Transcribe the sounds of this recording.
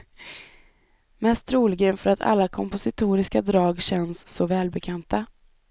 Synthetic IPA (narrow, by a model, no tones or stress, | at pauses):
mɛst̪ɾuːlɪɡənfœɾat̪ʰa̰lːakʰɔmpʊsɪt̪ʰuːɾɪskad̪ɾɑːɡɕɛnsːɔvɛːlbɛkʰant̪ʰa